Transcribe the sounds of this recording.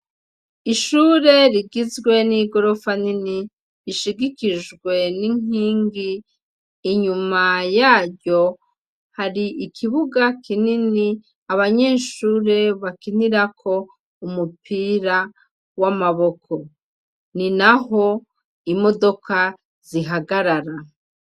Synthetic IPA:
iʃuːɾe̞ɾiɡizɡwe̞niɡo̞ɾo̞fanini | ɾiʃiɡikiʒɡwe̞niŋ̥iːŋɡiː | ɲumajaːɾɟo̞ | haɾiʔikʰiβuɡakinini | aβaɲeːʃuːɾe̞βakiniɾakʰo̞ | umupiɾa | wamaβo̞kʰo̞ | ninaɦo̞ | imo̞do̞ka | z̥iɦaɡaɾaɾa

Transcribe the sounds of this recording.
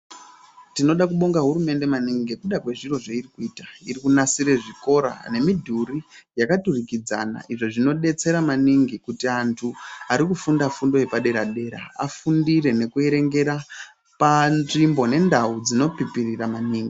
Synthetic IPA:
tino̞ɗak̬uɓo̞ŋɡaɦuɾume̞nde̞maniŋɡikuɗakwe̞ʐiro̞ʐeirikuiːtairikunasiɾe̞ʐiko̞ɾa̰ne̞midʱurijakaturikid͡za̰na̰ʔiʐoʐino̞ɗe̞t͡se̞ɾamaniŋɡikutiantʰuaɾikufundafundo̞je̞paɗe̞ɾaɗe̞ːɾa̰afundire̞ne̞kue̞ɾe̞ŋɡe̞ɾa | panʐimbo̞ne̞ndaud͡zino̞pipiriramaniːŋɡi

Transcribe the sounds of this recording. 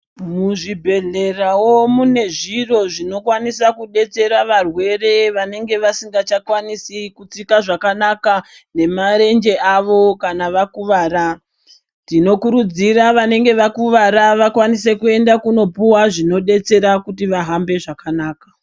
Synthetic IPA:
muʐibʱe̞ɮe̞rawomune̞ʐiro̞ʐino̞kwanisakuɗe̞t͡se̞ɾaʋarwe̞re̞ʋane̞ŋɡe̞ʋasiŋɡat͡ʃakwanisikut͡sikaʐakanaka | ne̞maɾe̞nd͡ʒe̞ʔaʋo̞kanaʋakuʋaːɾa | tino̞kuɾud͡ziɾaʋane̞ŋɡe̞ʋakuʋaɾaʋakwanise̞kue̞ndakuno̞puwaʐino̞ɗe̞t͡se̞ɾakutiʋaɦambe̞ʐakanaːkḁ

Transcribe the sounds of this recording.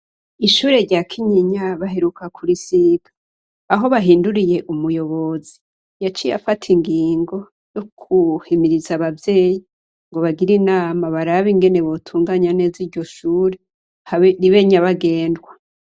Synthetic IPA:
iʃuːɾe̞ɾɟaːkʰiɲiɲaβaɦe̞ɾukʰakʰuɾisiɡḁː | ɦo̞βaɦiːnduɾije̞ʔumujo̞βo̞zi | jat͡ʃija̰fatʰiŋɡiːŋɡo̞ | jokʰuhimiɾizaβavje̞ːji | ŋɡo̞βaɡiɾinaːmaβaɾaβiŋɡe̞ne̞βotʰuːŋɡaɲane̞ːziɾɟo̞ʃuːɾe | haɾiβe̞ɲaβaɡe̞ːndɡwa

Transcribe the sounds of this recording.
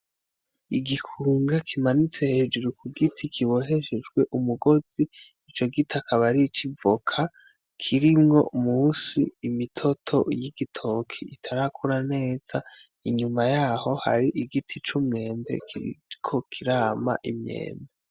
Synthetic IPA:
iɡikʰuːŋɡakʰimanit͡se̞he̞ːd͡ʒuɾukuɡitʰikʰiβo̞ɦe̞ʃed͡ʒɡwe̞ʔumuɡo̞z̥iː | t͡ʃo̞ɡitakʰaβaɾit͡ʃivokʰa | kʰiɾimŋo̞̰muːsiːmitʰo̞tʰo̞̰jiɡitʰo̞kʰiitʰaɾakʰuɾane̞ːz̥a | iɲumajaːho̞ha̰ɾiʔiɡitʰit͡ʃumŋe̞ːmbe̞̰kikʰo̞kʰiɾaːma̰ʔimɲe̞̰ːmbe

